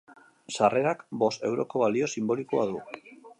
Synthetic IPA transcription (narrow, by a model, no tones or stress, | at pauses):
sare̞ɾakbo̞st̪e̞wɾo̞ko̞β̞alio̞simbo̞likoaðu